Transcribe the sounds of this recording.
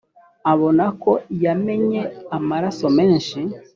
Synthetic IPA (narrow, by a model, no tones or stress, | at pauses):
aβo̞nako̞jame̞ɲe̞amaɾaso̞me̞ːnʃi